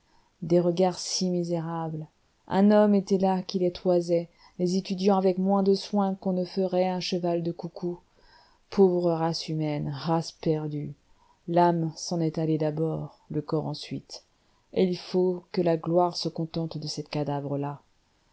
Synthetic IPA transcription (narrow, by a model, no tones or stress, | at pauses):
d̪eʁəɡaʁsimizeʁabl | ʔɛ̰̃nɔmet̪ɛlakʲilet̪χwazɛ | lezet̪yd̪jɑ̃avɛkmwɛ̃d̪əswɛ̃kɔ̃nəfəʁɛɛ̃ʃəvald̪əkukʰu | pʰovʁəʁasymɛnʁaspɛʁd̪y | lamsɑ̃nɛt̪aled̪abɔʁləkɔʁɑ̃sɥḭt̪ | eilfokəlaɡlwaʁsəkɔ̃t̪ɑ̃t̪d̪əsɛt̪kad̪avʁəla